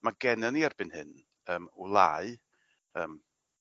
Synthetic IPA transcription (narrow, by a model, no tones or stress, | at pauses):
maɡɛnəniarb̥ɨnhɨn | əːmulˠaːɨ | əːm